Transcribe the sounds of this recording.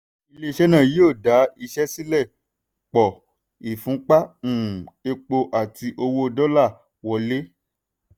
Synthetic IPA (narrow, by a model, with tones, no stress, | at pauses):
i˧le˦i˧˦ʃɛ˦nã˦˨ji˦o˦˨da˨˦i˧ʃɛ˦si˦lɛ˦˨ | k͡pɔ˨ | i˨fũ˨˦k͡pã˦˨e˧k͡po˧ʔa˦˨ti˧ʔo˧wo˦˧dɔ˦la˦˨ | wɔ˨le˦